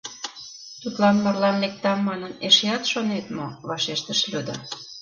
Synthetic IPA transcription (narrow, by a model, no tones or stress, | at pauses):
t̪ut̪lɑnmɑrlɑmːek̚t̪ɑmːɑnəneʃeɑt̪ʃonet̪mo̰βɑʃeʃt̪əʃlʲød̪ɑ